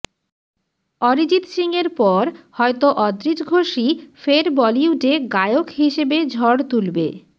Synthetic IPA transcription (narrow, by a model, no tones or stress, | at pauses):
ɔɾid͡ʑit̪siŋeɾpɔɾhɔet̪oʔɔd̪ɾit̪ɡʱoʃifeɾbɔliuɖeɡaeokɦiʃebed͡ʑʱɔɽt̪ulbḛ